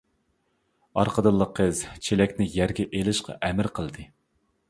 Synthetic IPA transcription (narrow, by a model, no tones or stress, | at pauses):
ɑɾqʰəd̪ɨlˠːəqʰːəzt͡ʃʰelɛkʲnɪjæɾɡʲɛʔelɪʃqɑ̰ʔɛmɪɾqʰəlˠd̪ɨ